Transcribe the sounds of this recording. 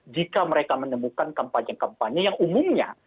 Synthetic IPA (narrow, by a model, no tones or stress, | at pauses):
d͡ʒikaməɾekamənəmukankəmpaɲakampaɲijaŋumumɲa̰